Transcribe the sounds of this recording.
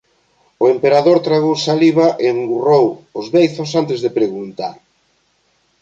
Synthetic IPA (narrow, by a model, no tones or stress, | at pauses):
ʊempeɾaðoɾt̪ɾaɣowsaliβ̞ɐʔeeŋɡurowʊzβejθʊs̬ant̪ɪzðepɾeɣunt̪aɾ